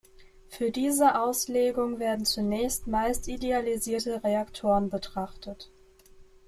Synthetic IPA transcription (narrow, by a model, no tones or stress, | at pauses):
fyːɐdiːzəʔaʊsleːɡʊŋveːɐdn̩t͡sunɛːçstmaɪstidealiziːɐtəʁeaktʰoːʁənbətʁ̥aχtət